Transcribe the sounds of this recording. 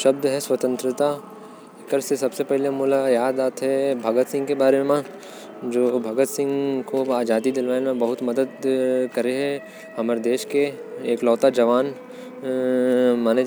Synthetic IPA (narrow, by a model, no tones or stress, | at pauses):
ʃɐb̚d̪ɦɛswɐt̪ə̃nt̪ɾɪt̪a | ɪkəɾsesɐbsepɛɦlemuːlajaːd̪aːt̪ɦɛbʱɐɡət̪sɪ̃ŋɡkebaːɾemẽ | d͡ʒoːbʱɐɡət̪sɪ̃ŋɡkoaːd͡ʒaːd̪id̪ɪlʋaːnmẽbɐɦʊt̪mɐd̪əd̪kɐɾeɦɛ̃ | hɐməɾd̪eːʃkeːklɔːt̪ad͡ʒɐʋaːn | maːne